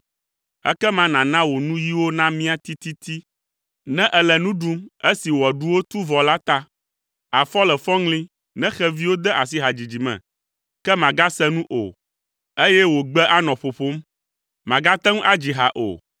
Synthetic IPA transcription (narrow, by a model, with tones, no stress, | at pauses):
ɛ̰˦kɛ˦mã˨nã˨nã˦wo˨nũ˦ji˦wo˦nã˦mĩ˦a˦t̪i˦t̪i˦t̪i˦ | nɛ̃˦ʔɛ˨lɛ˨nũ˦ɖu˦me˦si˨wɔ˨ɖu˦wo˦t̪u˦vɔ˨la˦t̪a˦ | a˨fɔ˦lɛ˨fɔ̃˦ŋlĩ˦ | nɛ̃˦xɛ˦vi˦wo˦d̪ɛ˦ʔa˨s̬i˦ɦa˨d͡ʑi˨d͡ʑi˨mɛ̰̃˨ | kɛ˦mã˨ɡa˦sɛ˦nũ˦ʔo̰˨ | e˦jɛ˦wo˨ɡ͡bɛ˦ʔa˦nɔ̃˨ɸo˨ɸo˦m | mã˨ɡa˦t̪ɛ˦ŋ̃˦ʔa˦d͡ʑi˨ɦa̰˨ʔo̰˨